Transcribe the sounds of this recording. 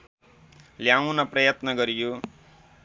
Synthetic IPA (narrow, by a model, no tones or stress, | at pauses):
ljawnʌprʌjʌt̪nʌɡʌɾijo